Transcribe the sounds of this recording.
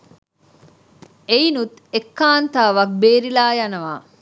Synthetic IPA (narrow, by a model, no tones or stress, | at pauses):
einut̪ekːaːnt̪aːʋɐk̚beːɾilaːjɐnɐʋaː